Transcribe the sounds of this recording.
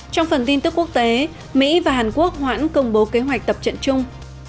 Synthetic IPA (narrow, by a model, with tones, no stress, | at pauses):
t͡ɕɔ˧wŋ͡mfə˨˩nt̪i˧nt̪ɨ˦˥kːu˦˥ək̚t̪e˨˦ | mḭ˧˥vaː˨˩ɦaː˨˩nku˦˥ək̚hwa̰ː˧˥nkə˧wŋ͡mɓo˨˦ke˨˦ɦwa˨˩k̚t̪ə˨˩p̚t͡ɕə̰˧˨nt͡ɕʊ˧ŋ͡m